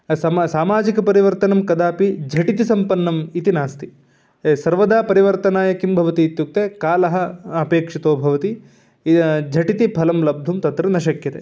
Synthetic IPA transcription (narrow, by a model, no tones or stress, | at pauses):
sɐsaːmaːd͡ʒikɐpɐɾiʋɐɾt̪ɐnɐmkɐd̪aːpid͡ʒʱɐʈit̪̬isɐmpɐnːɐmit̪inaːst̪i | sɐɾʋɐd̪aːpɐɾiʋɐɾt̪ɐnaːjɐkimbʱɐʋɐt̪iːt̪juk̚t̪ekaːlɐɦɐɐpeːkʂit̪oːbʱɐʋɐt̪i | d͡ʒʱɐʈit̪ipʰɐlɐmlɐb̚d̪ʱumt̪ɐt̪ɾɐnɐʃɐkjɐt̪ḛ